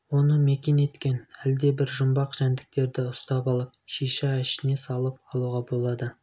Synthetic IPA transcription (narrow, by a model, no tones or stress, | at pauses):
wo̞nəmekʲe̞ne̞t̪kʲe̞næld̪e̞bɪɾʒʊmbɑqʒ̥ænd̪ɪk̚t̪e̞ɾd̪ɪʊst̪ɑpɑlˠəp̚ʃiʃɑæʃɪne̞sɑlˠəp̚ɑlˠuʁɑbo̞lˠɑd̪ə